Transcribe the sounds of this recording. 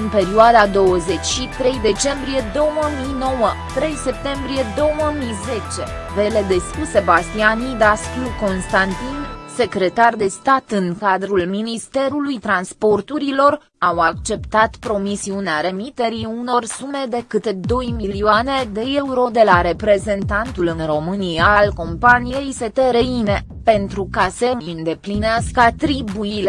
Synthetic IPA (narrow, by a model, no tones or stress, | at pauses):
ɨnpe̞ɾioad̪ad̪o̞wəze̞t͡ʃʲʃit̪ɾe̞jd̪e̞t͡ʃe̞mbɾije̞d̪o̞wəmijno̞wət̪ɾe̞jse̞p̚t̪e̞mbɾije̞d̪o̞wəmijze̞t͡ʃe̞ve̞le̞d̪e̞spuse̞bast̪ianid̪askluko̞nst̪ant̪inse̞kɾe̞t̪ard̪e̞st̪at̪ɨŋkad̪ɾulminist̪e̞ɾulujt̪ɾanspo̞rt̪uɾilo̞r | awakt͡ʃe̞pt̪at̪pɾo̞misiuneaɾe̞mit̪e̞ɾiuno̞rsume̞d̪e̞kɨt̪ed̪o̞jmiliuane̞d̪e̞euɾo̞d̪e̞laɾe̞pɾe̞ze̞nt̪ant̪ulɨnro̞mɨnijalko̞mpanije̞jse̞t̪eɾeine̞ | pe̞nt̪ɾukase̞ɨnd̪e̞plineaskəat̪ɾibuile